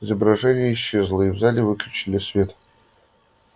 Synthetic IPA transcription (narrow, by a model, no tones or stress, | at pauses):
ɪzəbɾɐʐɛnʲɪjəiɕːezlˠəivzalʲɪvɨklʲʊt͡ɕilʲɪsvʲe̞t̪